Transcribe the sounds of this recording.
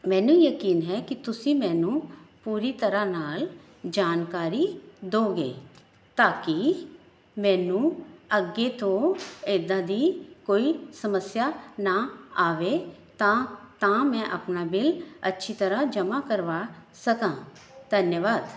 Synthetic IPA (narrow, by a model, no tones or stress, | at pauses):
mɛ̃ːnũːjəkiːnɦɛːkɪt̪ʊsĩːmɛ̃ːnũːpuːɾiːt̪əɾaːnaːl | d͡ʒaːnkaːɾid̪oːɡḛː | t̪aːkɪ | mɛ̃ːnũːəɡeːt̪ʰõːed̪ãːd̪iːkoːiːsəməsjaːnaːaːʋeːt̪ãːt̪ãːmɛ̃ːʔə̰pnaːbɪlətːʃʰiːt̪əɾaːd͡ʒəmaːkəɾʋaːsəkãːd̪ʱənjəʋaːd̪